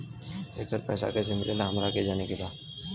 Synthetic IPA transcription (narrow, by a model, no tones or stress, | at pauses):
eːkəɾpɛ̰ːsa̰kesɪmɪɾelaɦɐmɾaked͡ʒaːnekebaː